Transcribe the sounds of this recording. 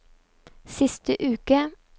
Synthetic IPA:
sɪst̪əʔʉːkə

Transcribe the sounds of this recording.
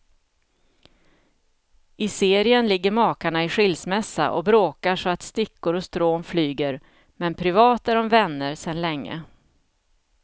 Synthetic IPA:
ɪseːɾɪənlɪɡːəɾmɑːkaɳaɪɧɪlsmɛsːa̰ʔɔ̰bɾoːkaʂɔat̪st̪ɪkːʊɾɔst̪ɾoːnflyːɡəɾ | mɛnpʰɾɪvɑːt̪æɾɔmvɛnːəɾsɛnlɛŋːə̰

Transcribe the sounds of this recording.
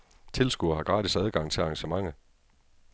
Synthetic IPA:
t͡sʰe̝lsɡ̥uð̰ˠɐɦɑ̈ɡ̥ʁɑ̈ːd̥isæð̞ˠɡ̥ɑ̈ŋ̰t͡sʰe̝ɑ̈ŋɕəmɑ̈ŋə

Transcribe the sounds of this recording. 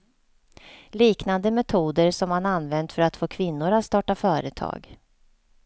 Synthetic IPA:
liːknand̪əmɛt̪ʰuːd̪əɾsɔmhananːvɛnd̪fœɾat̪foːkʰvɪnːʊɾat̪st̪ɑːʈafœːɾət̪ʰɑ̰ːɡ

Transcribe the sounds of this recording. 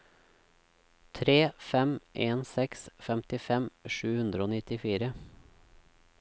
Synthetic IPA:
t̪ʰɾeːfɛmʔeːnsɛksfɛmt̪ɪfɛmʃʉːhʉnd̪ɾəoːnɪt̪ɪfiːɾə

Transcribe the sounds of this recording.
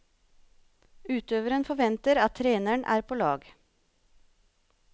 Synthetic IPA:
ʉːt̪øːʋəɾənfɔʋɛnt̪əɾɑt̪ʰɾeːnəɳʔæ̰ːɾpʰoːlɑ̰ːɡ

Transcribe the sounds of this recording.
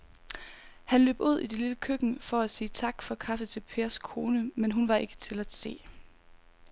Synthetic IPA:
hænlø̰ːb̥uð̞̰ˠid̥eliləkʰøɡ̥n̩fɒ̽æsiːt͡sʰɑ̈ɡ̥fɒ̽kʰɑ̈fət͡sʰe̝lpʰe̝̰ːɐskʰo̝ːnəmenɦunʋɑ̈ʔe̝ɡ̥ə̥t͡sʰe̝læd̥se̝̰ː

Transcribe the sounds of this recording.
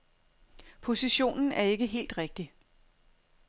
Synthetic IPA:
pʰo̝siɕo̝̰ːnn̩æɐe̝ɡ̥əɦe̝̰ːld̥ʁeɡ̥̚d̥i

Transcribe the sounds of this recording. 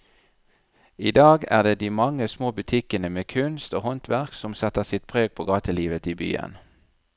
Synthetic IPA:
iːd̪ɑːɡæ̰ːʁd̪eːd̪iːmɑŋəsmoːbʉt̪ʰɪkənəmeːkʰʉnst̪oːhɔnt̪ʋæʁksɔmsɛt̪əʁsɪt̪̚pʰʁeːɡ̚pʰoːɡɑːt̪ʰəliːʋət̪iːby̰ːə̰n

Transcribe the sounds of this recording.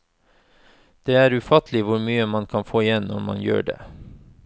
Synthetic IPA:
d̪̥eːæːɾʉfɑt̪ʰlɪʋʊɾmyːəmɑnkʰɑnfoːɪjɛnːɔɾmɑ̰njø̰ːɖḛː

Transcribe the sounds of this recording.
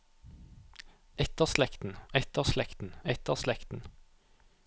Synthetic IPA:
ʔɛt̪əʁslɛkt̪n̩ɛt̪əʁslɛkt̪n̩ɛt̪əʁslɛkt̪n̩

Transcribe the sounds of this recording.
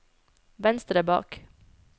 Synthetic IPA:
ʋɛnst̪ɾəbɑ̰ːk

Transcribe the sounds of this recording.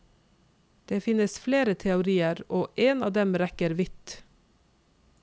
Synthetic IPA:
d̪̥eːfɪnəsfleːɾət̪ʰɛʊɾiːəɾoːʔeːnɑːd̪ɛmɾækəɾʋɪt̪

